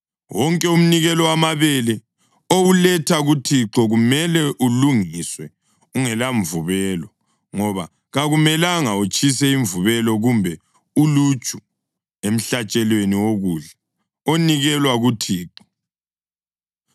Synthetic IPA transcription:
wɔŋkʼɛum̩niɣɛlɔwamaβɛlɛ | owulɛtʰaɣutʰiǁɔɣumɛlɛʔuluŋiswɛ | uŋɛlaɱvuβɛlɔ | ŋɔβa | ɣaɣumɛlaŋaut͡ʃʼisɛiɱvuβɛlɔɣumbʱɛ | ulut͡ʃʼu | em̩ɬat͡ʃʼɛlweniwoɣuɮɛ | oniɣɛlwaɣutʰiːǁɔ̥

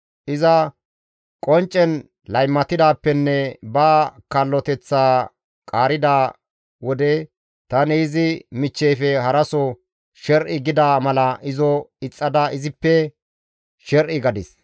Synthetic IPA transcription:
ʔɪzɐ | kʼɔnt͡ʃʼːɛn | lɐjmːɐt̪ɪd̪aːpːɛnːɛbaːkɐlːɔt̪ɛt͡sːaː | kʼaːɾɪd̪aː | wɔd̪ɛ | t̪ɐniɪzɪmɪt͡ʃːɛjfɛɦɐɾɐsɔ | ʃɛɾʔɪɡɪd̪aːmɐlɐʔɪzɔɪt͡sʼːɐd̪aʔɪzɪpːɛ | ʃɛɾʔɪɡɐd̪ɪs

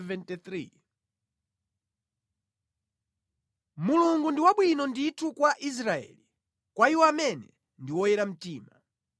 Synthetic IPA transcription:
vɛntit̪ɾi | muluŋɡundiwaɓwinɔnditʰukwaʔis̬ɾaɛ̰li | kwaiwɔamɛnɛ | ndiwɔjɛɾam̩tiːma̰

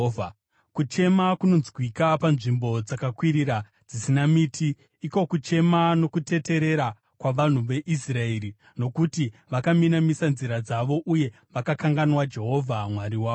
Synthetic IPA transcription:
kut͡ʃe̞makuno̞nzɡwikapanʐimbo̞d͡zakakwiɾiɾa | d͡zisinamiːtʰiː | ko̞kut͡ʃe̞mano̞kute̞te̞ɾe̞ɾa | kwaʋan̤uʋe̞ʔisraeɾi | no̞kutiʋakaminamisanziɾad͡zaʋo̞ʔuje̞ | ʋakakaŋɡanwad͡ʒe̞ɦo̞vʱamwaɾiwaːo

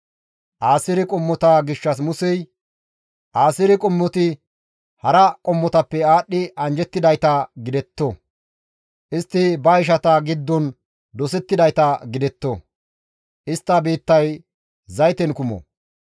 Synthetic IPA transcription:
ʔaːsɪɾɪkʼɔmːɔt̪ɐɡɪʃːɐs̬mʊsɛj | ʔaːsɪɾɪkʼɔmːɔt̪ɪ | hɐɾɐkʼɔmːɔt̪ɐpːɛaːɗːɪɐnd͡ʒɛt̪ːɪd̪ɐjt̪ɐɡɪd̪ɛt̪ːɔ | ʔɪst̪ːɪbɐɪʃ̬ɐt̪ɐɡɪd̪ːɔn | d̪ɔsɛt̪ːɪd̪ɐjt̪ɐɡɪd̪ɛt̪ːɔ | ʔɪst̪ːɐbeːt̪ːɐj | zɐjt̪ɛnkʊmɔ̰

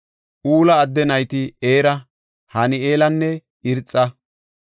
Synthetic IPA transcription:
ʔuːlɐːd̪ːɛnɐjt̪ɪeːɾɐ | hɐnɪeːlɐnːɛ | ɪɾt͡sʼːɐ

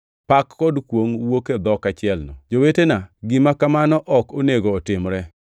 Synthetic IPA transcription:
pakːɔdkwoŋwoked̪ɔkat͡ʃɪɛlnɔ̰d͡ʒowetenaɡɪmakamanɔʔɔkoneɡoːtɪmɾɛ

